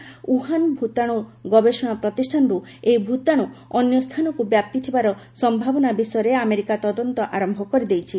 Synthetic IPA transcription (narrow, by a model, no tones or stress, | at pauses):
uɦanbʱut̪aɽ̃oɡɔbesɔɽ̃apɾɔt̪isʈʰanɔɾuejbʱut̪aɽ̃uɔnjɔst̪ʰanɔkubjap̚t̪it̪ʰibaɾɔsɔmbʱabɔnabisɔjɔɾeameɾikat̪ɔd̪ɔnt̪ɔʔaɾɔmbʱɔkɔɾid̪ejt͡ʃʰi